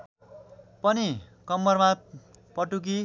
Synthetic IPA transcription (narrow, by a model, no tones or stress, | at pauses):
pʌni | kʌmːʌrma | pʌʈuk̬i